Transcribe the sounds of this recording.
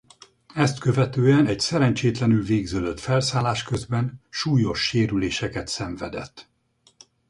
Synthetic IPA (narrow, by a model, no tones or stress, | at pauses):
ɛst̪kø̞vɛt̪øːɛnɛɟsɛɾɛnt͡ʃeːt̪lɛnylveːɡzøːd̪øt̪fɛlsaːlaːʃkøzbɛnʃuːjo̞ʃːeːɾyleːʃɛkɛt̪sɛɱvɛ̰d̪ɛ̰t̪ː